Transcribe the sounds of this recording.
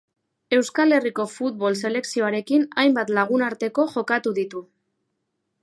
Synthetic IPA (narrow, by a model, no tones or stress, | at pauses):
e̞wskale̞riko̞fut̪̚βo̞lse̞le̞ksio̞aɾe̞kinajmbat̪laɣ̞unaɾt̪e̞ko̞ʝo̞kat̪uðit̪u